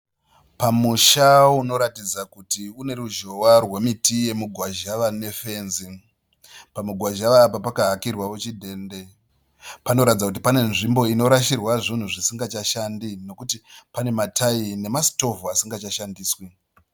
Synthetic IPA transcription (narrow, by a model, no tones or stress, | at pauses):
pamuʃauno̞ɾatid͡zakutiune̞ɾuʒo̞warwe̞mitije̞muɡʱwaʒaʋane̞fe̞nzi | pamuɡʱwaʒaʋaːpapakaɦakirwawot͡ʃidʱe̞ːnde̞ | pano̞ɾatid͡zakut̬ipane̞nʐimbo̞ino̞ɾaʃirwaʐin̤uʐisiŋɡat͡ʃaʃandino̞kutipane̞matʰaine̞masi̥to̞vuasiŋɡat͡ʃaʃandiːswi